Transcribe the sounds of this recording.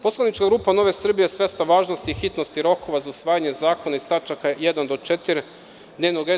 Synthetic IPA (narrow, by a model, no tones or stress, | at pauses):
poslˠanit͡ʃkaɡɾuːpano̞ʋe̞sr̩bijesʋe̞st̪aʋaːʒnost̪iːxit̪no̞st̪iɾo̞ko̞ʋazausʋaːjaɲe̞zaːko̞naist̪at͡ʃakajed̪and̪o̞t͡ʃet̪iɾ | d̪neʋnoɡe